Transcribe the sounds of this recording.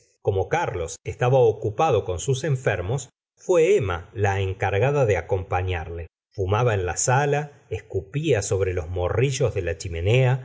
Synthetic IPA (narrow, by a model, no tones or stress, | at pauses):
ko̞mo̞kaɾlo̞sest̪aβaokupaðo̞ko̞nsuseɱfeɾmo̞s | fweema̰laeŋkaɾɣaðaðeako̞mpaɲaɾle̞ | fumaβaenlasala | ehskupiaso̞βɾelo̞zmoriʒo̞zðelat͡ʃime̞ne̞a